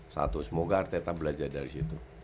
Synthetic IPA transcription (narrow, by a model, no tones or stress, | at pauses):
sa̰t̪usəmoɡaːrt̪et̪abəlad͡ʒardaɾisit̪u